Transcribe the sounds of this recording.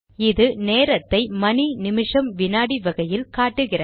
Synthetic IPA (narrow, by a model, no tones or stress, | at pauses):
ɪðɯneːɾɐt̪ːɐɪmɐninɪmɪʂɐmʋɪnaːɽiʋɐɣɐjɪlkaːʈːɯɣɪrɐ